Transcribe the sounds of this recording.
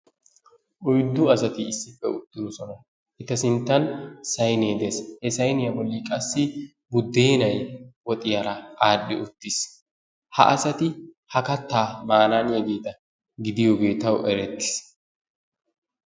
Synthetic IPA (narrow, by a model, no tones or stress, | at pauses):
ʔɔjd̪ːʊɐsɐt̪ɪːsːɪfːɛ̰ʊt̪ːɪnɔsɔnɐ | ʔɪt̪ɐsɪnt̪ːɐnsɐjneːd̪eshɛsɐjnɪjɐbɔlːiːkʼɐsːɪ | bʊd̪ːeːnɐjwɔt̪ʼɪjaɾɐʔaːɗːɪʔʊt̪ːɪs | hɐ̰ʔɐsɐt̪ɪ | hɐkɐt̪ːaːmaːnaːnjɛɡeːt̪ɐ | ɡɪd̪ɪjoːɡe̞ːt̪ɐwʔɛɾɛt̪ːɪ̥s